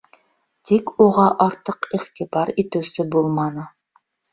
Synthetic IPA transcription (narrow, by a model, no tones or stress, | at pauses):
t̪ʰekʲuʁɑʔɑɾt̪ʰəqiχt̪ʰɨbɑɾet̪uwsɪbolˠmɑnɤ